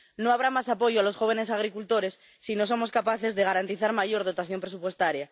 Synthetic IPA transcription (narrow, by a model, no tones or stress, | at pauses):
no̞aβ̞ɾamasapo̞ʝoalo̞sxo̞β̞ene̞s̬aɣ̞ɾikult̪o̞ɾe̞sːino̞s̬o̞mo̞skapaθe̞zðe̞ɣ̞aɾant̪iθaɾmaʝo̞ɾð̞o̞t̪aθjo̞mpɾe̞s̬upwe̞st̪aɾja